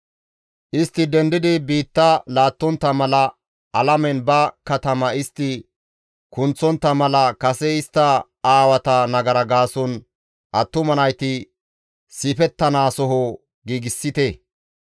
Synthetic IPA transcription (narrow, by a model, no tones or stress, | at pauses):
ʔɪst̪ːɪd̪ɛnd̪ɪd̪ɪbiːt̪ːɐlaːt̪ːɔnt̪ːɐmɐlɐ | ɐlɐmɛnbɐkɐt̪ɐmɐɪst̪ːɪ | kʊnt͡sːɔnt̪ːɐmɐlɐkɐsɛɪst̪ːɐ | aːwɐt̪ɐnɐɡɐɾɐɡaːsɔn | ʔɐt̪ːʊmɐnɐjt̪ɪ | sipɛt̪ːɐnaːsɔɦɔ | ɡiːɡɪsːɪt̪ɛ